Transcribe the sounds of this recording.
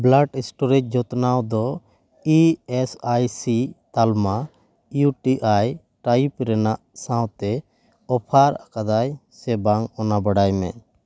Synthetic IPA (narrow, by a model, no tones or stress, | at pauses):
blaʈisʈɔɾet͡ʃ̚d͡ʒɔt̪nawd̪ɔ | iɛsajsit̪alma | juʈiʔaj | ʈajpɾɛnaʔsãwt̪ɛ | ɔpʰaɾakad̪ajsɛbaŋɔnabaɽajmɛ̰